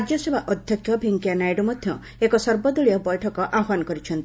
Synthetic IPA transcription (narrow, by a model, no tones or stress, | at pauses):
ɾd͡ʒɔsebʱaʔɔd̪ʱjɔkʰːjɔbʱiŋkjanajɖɔmɔd̪ʱjɔ | ekɔsɔɾbɔd̪uɭijɔbɔjʈʰɔkɔʔaɦanɔkɔɾit͡ʃʰɔnt̪i